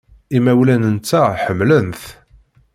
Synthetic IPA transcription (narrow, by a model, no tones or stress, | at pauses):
imæwlænənt͡sːæħəmːlənθ